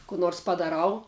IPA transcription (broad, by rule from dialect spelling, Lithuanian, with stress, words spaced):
kʊ ˈnoːrs pɐdɐˈrɐʊ